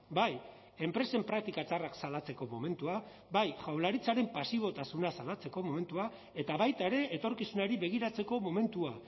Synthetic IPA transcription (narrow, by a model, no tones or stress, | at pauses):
baj | e̞mpɾe̞se̞mpɾak̚t̪ikat͡saraksalat͡se̞ko̞mo̞̰me̞nt̪ua | bajʝawlaɾit͡saɾe̞mpasiβ̞o̞t̪asunasalat͡se̞ko̞mo̞me̞nt̪ua | e̞t̪aβajt̪ae̞ɾe̞ʔːt̪o̞ɾkisunaɾiβe̞ɣ̞iɾat͡se̞ko̞mo̞me̞nt̪ua